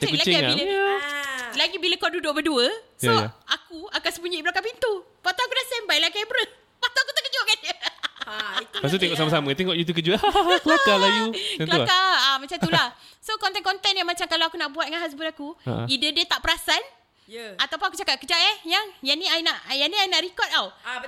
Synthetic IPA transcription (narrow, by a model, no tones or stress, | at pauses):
t̪kulat͡ʃɛiaain | laɡibiləkodudʊʔbəduəsjaojaakuakansəbuɲiibəɾakapint̪u | pat̪aakudasɛmbajlakambɾə | pat̪uakut̪aʔkəd͡ʒoʔkanjəait̪pasut̪eŋɔʔsamasamə̃t̪eŋɔʔjut̪̬uk̬əd͡ʒəkəlakalajuɛkəlakaamat͡ʃãt̪ulahsokɔnt̪ɛnkɔnt̪ɛnjamat͡ʃamkalaakunaʔbuat̪̚ŋanɦas̬bʊtakua̰ʔidədiət̪aʔpəɾasan | jat̪awpʊnakut͡ʃakat̚kəd͡ʒaʔɛjaŋjaniainaʔjaniainaʔɾikɔt̪̚aw